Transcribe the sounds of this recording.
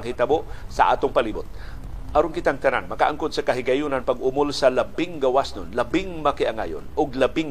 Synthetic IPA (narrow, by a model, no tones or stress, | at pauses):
ŋhɪt̪aboʔsɐ̰ʔa̰ːt̪ʊŋpaliːbʊt̪̚ | ʔaɾonkɪt̪aŋt̪ana̰nmɐkaʔaŋkʊd̪̚sɐkaɦɪɡajunanpaɡʔʊmʊlsɐlabɪŋɡawasnʊnlabɪŋmɐkɪʔaŋa̰jʊ̰nʔʊɡ̚labɪŋ